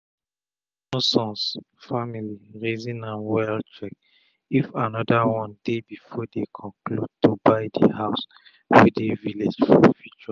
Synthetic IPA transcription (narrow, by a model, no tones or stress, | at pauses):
nɔsɔ̃ns | familiɹezĩnãnwɛltɹɛk̚ | ifanɔdawɔ̃ndebifɔdekʰɔ̃klud̚tubaɪdə̰haʊs | wedeviled͡ʒfɔ̰fut͡ʃua